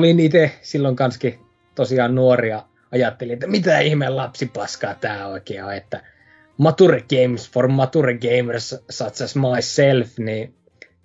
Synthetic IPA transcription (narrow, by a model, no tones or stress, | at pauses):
olinit̪esilːoŋkɑnski | t̪osiɑːnnuoriɑ | ɑjɑt̪ːeliet̪ːæmit̪æihmellɑpsipɑskɑːt̪æːoˑikeːɑet̪ːæ | mɑt̪ureɡ̥eimsformːɑt̪ureɡeimerssɑt̪sæsmɑisːelfniː